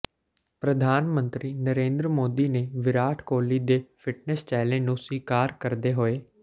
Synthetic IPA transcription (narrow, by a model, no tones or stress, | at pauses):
pɾəd̪ʱaːnmə̃nt̪ɾiːnəɾẽːnd̪ɾəmoːd̪iːneːʋɪɾaːʈʰkoːliːd̪eːfʰɪʈnɛst͡ʃɛːlẽnũːsiːkaːɾkəɾd̪eːɦoːeː